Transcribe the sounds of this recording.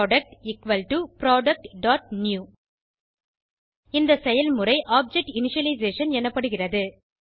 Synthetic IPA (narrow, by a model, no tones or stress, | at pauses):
ɖɐk̚ʈɪkʋɐlʈupɾoːɖɐk̚ʈɖaːʈ̚njuː | ɪnd̪ɐsɛjɐlmʊrɐɪʔaːp̚d͡ʒɛk̚ʈɪnɪʂɐlɐɪzeːʂɐnɛnːɐpːɐɽɯɣɪrɐðɯ